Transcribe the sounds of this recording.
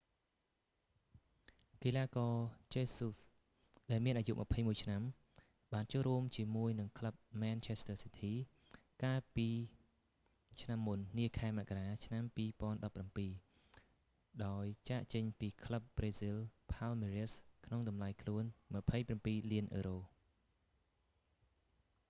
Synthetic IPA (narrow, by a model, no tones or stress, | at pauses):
k̪ilaːkɔːt͡ɕeːsus | ɗaɛlmiənʔaːjuʔməpʰəjmuəjt͡ɕʰnam | ɓaːnt͡ɕoəlruəmt͡ɕiəmuəjnɨŋkʰləp̚maːnt͡ɕʰest̪ʰəːsit̪ʰiː | kaːlpiː | t͡ɕʰnamːunːiəkʰaɛmaʔkaɾaːt͡ɕʰnampiːpŏənɗɑpːrampiː | ɗaɔjt͡ɕaːʔt͡ɕəɲpiːkʰləp̚breːsilpʰalmeːɾiəskʰnoŋɗɑmlajkʰluənməpʰəjprampiːliənʔəːɾoː